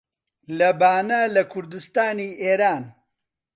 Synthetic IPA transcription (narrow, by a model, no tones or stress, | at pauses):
lɐbaːnɐlɐkʰʊɾd̪ust̪aːniːʔeːɾaːn